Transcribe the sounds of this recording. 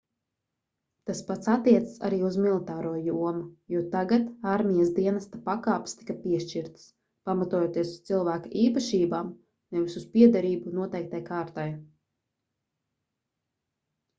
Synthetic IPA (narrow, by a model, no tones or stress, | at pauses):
t̪aspat̪sat̪ːiɛt̪sḁsa̰ɾiːuzmilˠit̪aːɾuɔjuɔmujuɔt̪aɡat̪aɾmʲijasd̪iɛnast̪apakaːpst̪i̥kapiɛʃt͡ʃiɾt̪s | pamat̪uɔjoːt̪iɛsu̥st̪ilˠvæːkaʔiːpaʃiːbaːm | nɛvisuspiɛd̪aɾiːbunuɔt̪ɛjk̚t̪ajkaːɾt̪aj